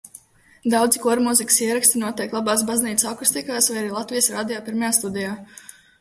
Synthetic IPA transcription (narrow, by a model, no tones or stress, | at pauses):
d̪awd̪zikuɔɾmuzikʲi̥siɛɾakst̪inuɔt̪ʲiɛklˠabaːsbazniːt̪sakust̪ikaːsvajaɾiːlˠat̪vijəsɾaːd̪ijaːpiɾmajaːst̪ud̪ɛjaː